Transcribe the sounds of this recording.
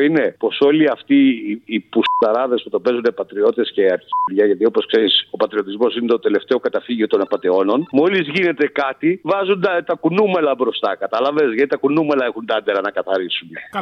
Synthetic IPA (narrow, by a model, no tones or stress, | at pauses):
ine̞po̞so̞liɐft̪iːpust̪ɐɾɐðe̞sput̪o̞pe̞zunepɐt̪ɾio̞t̪e̞sce̞ɐɾçiɾʝɐʝɐt̪io̞po̞skse̞ɾiso̞pɐt̪ɾio̞t̪izmo̞sinet̪ot̪e̞le̞ft̪e̞o̞kɐt̪ɐfiʝiot̪o̞nɐpɐd̪e̞o̞no̞nmo̞lizʝine̞t̪e̞kɐt̪ivɐzund̪ɐt̪ɐkunumelɐbɾo̞st̪ɐkɐt̪ɐlɐve̞zʝɐt̪it̪ɐkunume̞lɐe̞xund̪ɐnd̪eɾɐnɐkɐθɐɾisune